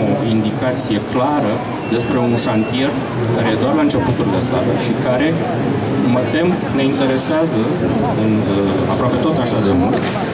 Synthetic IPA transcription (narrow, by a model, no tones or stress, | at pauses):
oind̪ikat̪sije̞klaɾə | d̪e̞spɾe̞unʃant̪ie̞r | kaɾe̞je̞d̪oarlaɨnt͡ʃe̞put̪uɾilesalḛʃikaɾe̞ | mət̪e̞m | ne̞int̪e̞ɾe̞seazə | ɨn | a̰pɾoape̞t̪o̞t̪aʃad̪e̞mult̪